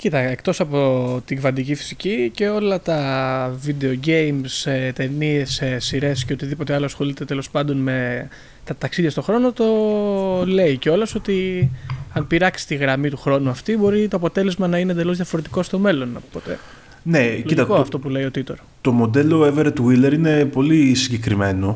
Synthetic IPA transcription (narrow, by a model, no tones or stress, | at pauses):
cit̪ɐekt̪o̞sɐpo̞t̪iɡvɐnd̪icifi̥sicice̞o̞lɐt̪ɐvid̪e̞oɟe̞jmset̪e̞nie̞sesːiɾe̞sceot̪iðipo̞t̪eɐloɐsxo̞lit̪et̪e̞lo̞spɐnd̪o̞nme̞ | t̪ɐt̪ɐksiðʝɐst̪o̞xɾo̞no̞t̪o̞ | le̞iceo̞loso̞t̪i | ɐnpiɾɐksi̥st̪iɣɾɐmit̪uxɾo̞nuɐft̪ibo̞ɾit̪o̞ɐpo̞t̪e̞le̞zmɐnɐinend̪e̞lo̞zðjɐfo̞ɾet̪iko̞st̪o̞me̞lo̞nɐpot̪ḛ | neloit̪ɐkoɐft̪o̞pule̞jo̞t̪it̪o̞ɾ | t̪o̞mo̞d̪e̞loeveɾet̪uileɾine̞po̞lisiɲɟe̞kɾime̞no̞